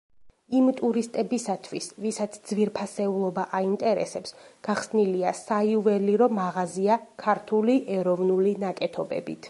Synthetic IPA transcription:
imt̪ʼuɾist̪ʼɛbisat̪ʰwisvisat̪sʰd̪z̥viɾpʰasɛulˠɔbaʔaint̪ʼɛɾɛ̰sɛpsɡ̥aχsniliasaiuvɛliɾɔmːaʁaziakʰaɾt̪ʰuliʔɛɾɔvnulinakʼɛt̪ʰɔbɛ̰bḭt̪ʰ

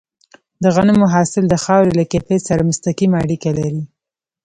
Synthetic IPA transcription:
d̪əɣanəmʊɦɑsɪld̪əxɑwɾelakefesaɾamʊst̪aqimaːɽikalaɾi

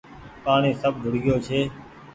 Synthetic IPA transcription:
paːɳeːsəb̚ɡʱʊɽɡjoːt͡ʃʰeː

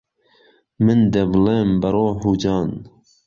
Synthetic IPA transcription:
mɨnd̪ɛbleːmbɐɾoːɦuːd͡ʒɑːn

